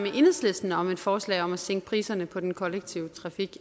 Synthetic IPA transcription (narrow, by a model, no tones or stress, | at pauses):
meʔe̝nˠsle̝sd̥n̩ɒ̽me̝d̥fɒːslɛ̰ːɪɒ̽mæseŋ̰ɡ̥ə̥pʰʁiːsɐnəpʰɒ̽d̥enkʰɒ̽leɡ̥̚t͡sʰiʊət͡sʰʁɑ̈fiɡ̥